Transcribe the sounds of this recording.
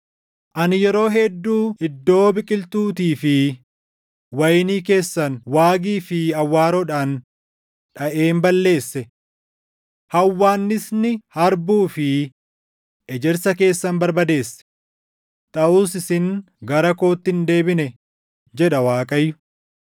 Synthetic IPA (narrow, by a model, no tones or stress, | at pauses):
ʔɐnɪjɛɾo̞ːɦɛd̪ːuːɪd̪ːo̞ːbɪkʼɪlt̪uːt̪iːfɪ | wɐjniːke̞ːsːɐnwaːɡiːfɪɐwːaːɾɔᶑaːn | ᶑɐʔe̞ːmbɐlːe̞ːsːɛ | hɐwːaːnːɪsnɪhɐɾbuːfɪ | ʔɛd͡ʒɛɾsɐke̞ːsːɐnbɐɾbɐd̪e̞ːsːɛ̥ | t̪ʼɐʔuːsɪsɪŋ | ɡɐɾɐko̞ːt̪ːɪnd̪e̞ːbɪnɛ | d͡ʒɛᶑɐwaːkʼɐjːʊ̥